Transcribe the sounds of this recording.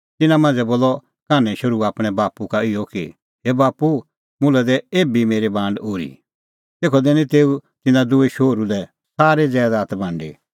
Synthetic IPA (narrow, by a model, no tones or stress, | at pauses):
t̪ɪnãmãːnd͡zɛboːlːɔ | kaːnɛ̃ʃɐɾuaːpɽ̃ɛbaːpukaɪjɔki | ɦebaːpu | mʊ̃lɛd̪ɛeːbimeːɾebãːɳɖoːɾḭ | t̪eːkʰɔd̪ɛnĩt̪eːut̪ɪnãd̪ʊeʃoːɾulɛ | saːɾed͡zɛːd̪aːt̪bʱãːɳɖḛ